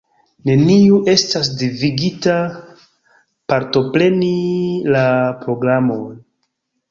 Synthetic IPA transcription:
ne̞niuʔe̞stas̬diviɡita | paɾto̞pɾe̞nilapɾo̞ɡɾamo̞n

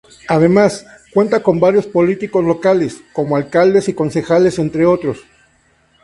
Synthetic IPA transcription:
að̞e̞mas | kwe̞nt̪ako̞mbaɾjo̞spo̞lit̪iko̞zlo̞kale̞sko̞moalkald̪esiko̞nse̞xale̞se̞nt̪ɾeo̞t̪ɾo̞s

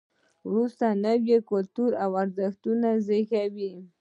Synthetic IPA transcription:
wɾust̪anawjekʊlt̪uɾawaɾzaxt̪unazɪxawi

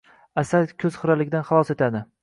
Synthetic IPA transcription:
asad̪kʲʰɵz̥χɨɾalɪɡʲd̪anχɑlˠɒse̞t̪ʰad̪ɪ

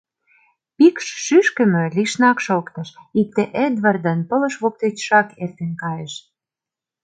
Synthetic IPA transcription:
pikʃːyʃkə̆mø̆liʃnɑkʃokt̪ɤ̆ʃik̚t̪eʔed̪βərd̪ə̆npŏlɤ̆ʃβok̚t̪et͡ɕʃɑkert̪enkɑjeʃ

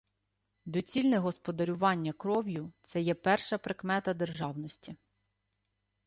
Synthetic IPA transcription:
d̪ɔt͡sʲilʲnɛɦɔspɔd̪ɐɾʲʊʋɑnʲːɐkɾɔwjʊt̪sɛjɛpɛrʃɐpɾekmɛt̪ɐd̪e̞rʒɑwnɔsʲtʲi

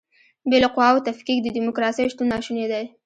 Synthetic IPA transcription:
belaqʊwawt̪afkikd̪əd̪imʊkɾɑsəjʃt̪unːɑʃuned̪aj

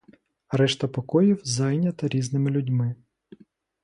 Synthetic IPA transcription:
ɐɾɛʃt̪ɐpɔkɔjiwzɑjnʲɐt̪ɪɾʲiznɪmɪlʲʊdʲmɪ

